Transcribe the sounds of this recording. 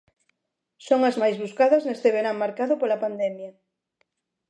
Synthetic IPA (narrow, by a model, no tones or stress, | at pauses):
soŋɐzmajzβuskaðɐznest̪eβeɾaŋmaɾkaðʊpolɐpand̪ɛmjɐ